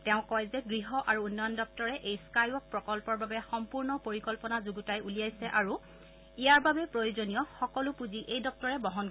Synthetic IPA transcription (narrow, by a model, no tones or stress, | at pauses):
tɛʊ̃kɔjzɛɡɹiɦɔʔaɹuunːɔjɔndɔk̚tɔɹɛʔejskajɔk̚pɹɔkɔlpɔɹbabɛxɔmpuɹnɔpoɹikɔlpɔnazuɡutajulijajsɛʔaɹu | ijaɹbabɛpɹojuzonijɔxɔkɔlʊpuziʔejdɔk̚tɔɹɛbɔɦɔn